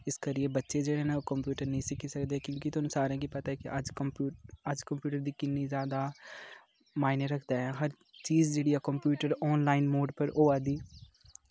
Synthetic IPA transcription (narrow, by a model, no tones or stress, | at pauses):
ɪskəɾiebətːʃed͡ʒeːɽenaokəmpjuːʈəɾnəɦĩsɪkʰisəkd̪eɛkjõːkit̪ʊnsaːɾẽkipɐt̪aɦɛkiʔəd͡ʒkəmpuːəd͡ʒkəmpjuːʈəɾd̪iːkɪnizjaːd̪a | maːɪneɾəkʰd̪aɦɛɦɐɾ | t͡ʃiːzd͡ʒeːɽiakəmpjuːʈəɾɔːnlaːɪnmoːɖpəɾʔoːad̪iː